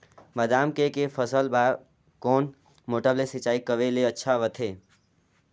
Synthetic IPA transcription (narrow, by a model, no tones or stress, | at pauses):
məd̪aːmkekefʰəsəlba | kɔːn | moːʈəblesɪt͡ʃaːikəʋeleətːʃʰaʋət̪ʰeː